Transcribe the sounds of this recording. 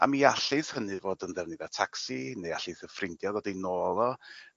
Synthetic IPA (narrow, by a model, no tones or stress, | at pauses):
a̰miaɬɨθhənɨvoːdənðɛvnivɛtʰaksinejaɬɨθəfrɪndjɔðɔdejnoːlˠɔ